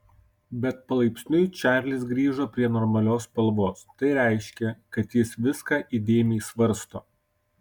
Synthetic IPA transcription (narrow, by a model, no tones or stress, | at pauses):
bʲɛt̪̚pɐlˠɐɪpʲsʲnʲʊɪt͡ʃʲæːɾʲlʲɪsɡɾʲiːʒopʲɾʲiɛnɔɾmɐlʲoːspɐlˠʋoːst̪ɐɪɾʲæˑɪʃʲkʲɛkɐt̪jɪsʋʲɪskɑːʔid̪ʲeːmʲɛɪsʋɐɾst̪o̰ː